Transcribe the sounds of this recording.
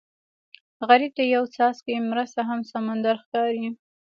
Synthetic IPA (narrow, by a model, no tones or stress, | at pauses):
ɣaɾib̚d̪əjawt͡sɑskemɾəst̪aɦamsamand̪aɾxkɑɾi